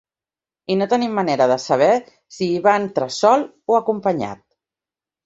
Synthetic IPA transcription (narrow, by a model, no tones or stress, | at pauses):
inot̪ənimːəneɾəðəsəβ̞ɛ | siːβant̪ɾəsɔlˠ | oəkumpəɲa̰t̪̚